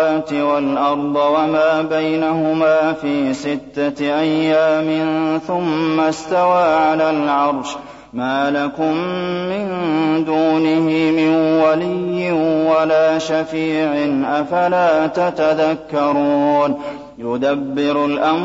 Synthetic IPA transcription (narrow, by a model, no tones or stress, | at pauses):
aːt̪ɪwalʔɑɾˤd̪ˤɨwamaːbajnaɦʊmaːfiːsɪt̪ːaʔajːaːmɪnθʊmːast̪awaːʕalaːlʕɑɾˤʃ | maːlakʊmːɪnd̪uːnɪhɪmɪnwalɪjːɪnwalaːʃafiːʕɪnʔafalaːt̪at̪aðakːɑɾˤuːn | jʊd̪abːɪɾʊlʔam